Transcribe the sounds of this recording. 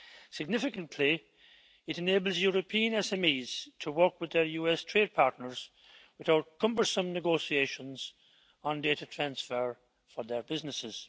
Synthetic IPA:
sɪɡ̚nɪfɪkə̃ntʰli | ɪɾɨneːbəl̩ˠzjʊɹəpʰĩə̃nɛsɛ̃miːz̥tʰəwɜ˞kwɨðə˞juɛstʰɹ̥eːd̚pʰaɹtⁿnəɹz̥ | wɪθaʊt̚kʰʌ̃mbə˞sə̃mnɨɡosieɪʃə̃nz̥ | ə̃ndeɪɾətʰɹ̥ãnsfəɹ | fə˞ðə˞bɪznɪsɪz̥

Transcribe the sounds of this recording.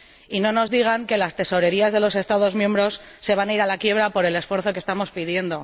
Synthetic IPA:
ino̞no̞zðiɣ̞aŋke̞last̪e̞so̞ɾe̞ɾiazðe̞lo̞se̞st̪að̞o̞zmjẽ̞mbɾo̞sːe̞β̞anaiɾalakje̞β̞ɾapo̞ɾe̞le̞sfwe̞ɾθo̞k̬est̪amo̞spiðje̞nd̪o̞

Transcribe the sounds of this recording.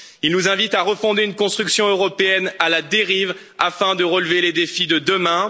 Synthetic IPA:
ilnuzɛ̃vit̪aʁəfɔ̃d̪eynkɔ̃st̪χyksjɔ̃øʁɔpeɛnalad̪eʁiv | afɛ̃d̪əʁəlveled̪efid̪əd̪əmɛ̃

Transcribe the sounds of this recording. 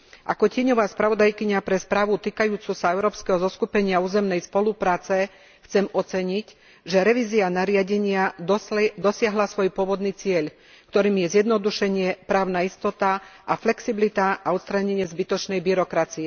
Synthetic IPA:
ʔa̰kɔcɪɛɲɔʋaːspɾaʋɔd̪ajkiɲapɾɛspɾaːʋut̪iːkajuːt͡suːsaɛʊɾɔːpskɛɦɔzɔskupɛɲɪauːzɛmnɛjspɔlupɾaːt͡sɛ | xt͡sɛmɔt͡sɛɲic | ʒɛɾɛʋiːzianaɾɪaɟɛɲɪa | d̪ɔsɪaɦlasʋɔjpʊɔʋɔd̪niːt͡sɪɛʎ | kt̪ɔɾiːmjɛzjɛd̪nɔd̪uʃɛɲɪɛpɾaːʊnaist̪ɔt̪aʔaflɛksiblit̪aʔaɔt̪st̪ɾaɲɛɲɪɛzbit̪ɔt͡ʃnɛjbiɾɔkɾat͡siɛ

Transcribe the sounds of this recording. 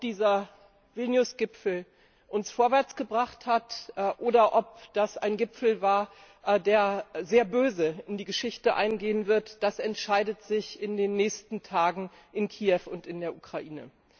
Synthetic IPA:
ɔpd̥iːzɐ | v̥ɪlnjʊsɡ̥ɪpfl̩ | ʔʊnsfoːɐvɛɐt͡sɡ̥əbʁaχthatːʔoːdɐʔɔp̚d̥asa̰ɪnɡɪpfl̩vaːɐ | ʔdeːɐzeːɐbøːzəɪndiːɡəʃɪçtəʔa̰ɪnɡeːənvɪɐtd̥asɛntʃaɪdətz̥ɪçɪndeːnːɛːçstn̩tʰaːɡŋ̩ | ʔɪnkʰiːɛfʊntɪndeːɐʔukʁ̥aʔiːnə̰

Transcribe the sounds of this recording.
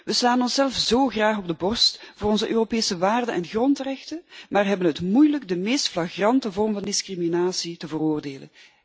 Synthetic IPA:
ʋəslaːnɔnsɛlˠfz̥oːɣraːɣɔb̚dəbɔrstvʊːrɔnzəʔøːropeːsəʋaːrdənʔɛnɣrɔntrɛxtənmaːrɦɛbənɦətmujləɡ̚dəmeːstflaɣrɑntəvɔrmvɑndɪskriminaːsitəvəroːrdeːlə̰n

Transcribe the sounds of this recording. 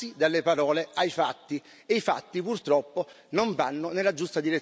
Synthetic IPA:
id̪alːepaɾɔːleajfat̪ːi | eifa̰t̪ːipurt̪ɾɔpːo | noɱvanːonelːad͡ʒust̪ad̪iɾe

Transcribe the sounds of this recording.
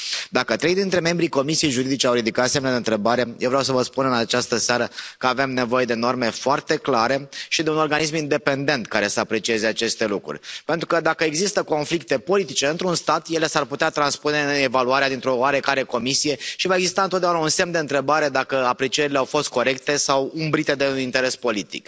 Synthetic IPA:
d̪akət̪ɾe̞jd̪int̪ɾe̞me̞mbɾiko̞misijejʒuɾid̪it͡ʃeawɾid̪ikat̪semnad̪eɨnt̪ɾe̞baɾe̞jewvɾjawsəvəspunɨnat͡ʃast̪əseaɾəkəave̞mne̞vo̞je̞d̪e̞no̞rme̞foart̪e̞klaɾe̞ʃid̪e̞uno̞rɡanis̬mind̪e̞pe̞nd̪e̞nt̪kaɾe̞səapɾe̞t͡ʃie̞ze̞at͡ʃe̞st̪e̞lukɾṵrʲpe̞nt̪ɾukəd̪akəeɡzist̪əko̞nflik̚t̪e̞po̞lit̪it͡ʃe̞ɨnt̪ɾunst̪at̪je̞le̞sarput̪eat̪ɾanspune̞evaluaɾead̪int̪ɾo̞oaɾe̞kaɾe̞ko̞misije̞ʃivae̞ɡzist̪aɨnt̪ot̪d̪aunaunse̞md̪eɨnt̪ɾe̞baɾe̞d̪akəapɾe̞t͡ʃieɾileawfo̞st̪̚ko̞ɾe̞k̚t̪e̞sawumbɾit̪e̞d̪e̞nint̪e̞ɾe̞spo̞lit̪ḭk

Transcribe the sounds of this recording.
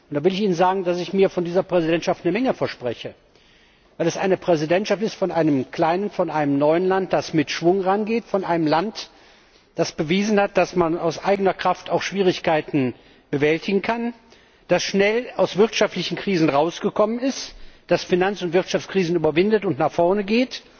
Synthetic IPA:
ʔʊntd̥aːvɪlɪçiːnənzaːɡŋ̩dasɪçmiːɐfɔndiːzɐpʁ̥ɛzidɛntʃaftnəmɛŋəfɛɐʃpʁ̥ɛçə | vaɪlɛsʔa̰ɪnəpʁ̥ɛzidɛntʃaftɪstfɔnʔaɪnəmkl̥aɪnənfɔnʔaɪnəmnɔʏənlant̚d̥asmɪtʃv̥ʊŋʁanɡeːtfɔnʔaɪnəmlant | d̥asb̥əviːzn̩hat̚d̥asmanaʊsʔaɪɡənɐkʁ̥aftʰaʊxʃv̥iːʁɪçkaɪtn̩ | b̥əvɛltɪɡŋ̩kʰan | d̥asʃnɛlaʊsv̥ɪʁtʃaftlɪçn̩kʁ̥iːzn̩ʁaʊsɡ̥əkʰɔmənɪstd̥asfinant͡sʊntv̥ɪɐtʃaft͡skʁ̥iːzn̩yːbɐvɪndətʊntnaːχfɔɐnəɡeːt

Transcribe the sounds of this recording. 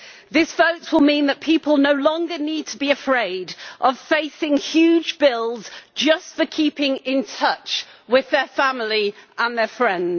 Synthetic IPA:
ðɪsv̥əʊtswɪlˠmĩːnðəʔpʰiˑpəlˠnəʊlɒ̃ŋɡəniːd̚tʰəbiəfɹeɪdʔəv̥feɪsɪ̃ŋhjʉːd͡ʒbɪlˠz̥d͡ʒʌstfəkʰiˑpɪ̃ŋɪ̃ntʰʌt͡ʃwɪðəfãmliʔə̃nðəfɹɛ̃ndz̥

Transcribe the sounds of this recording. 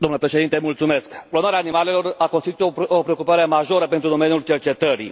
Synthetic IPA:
d̪omnləpɾe̞ʃed̪int̪emult̪sume̞skplonaɾeaːnimale̞lo̞rakonst̪it̪ut̪opɾeokupaɾemaʒo̞ɾəpe̞nt̪ɾud̪o̞me̞njult͡ʃe̞rt͡ʃe̞t̪əɾḭ

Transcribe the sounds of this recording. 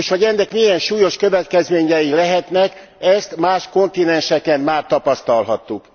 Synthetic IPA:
ʃʋɒɟɛnːɛkmijɛnʃuːjo̞ʃkø̞vɛt̪kɛzmeːɲɛjilɛɦɛt̪nɛk | ɛst̪maːʃko̞nt̪inɛnʃɛkɛnmaːrt̪ɒpɒst̪ɒlɦɒt̪ːuk

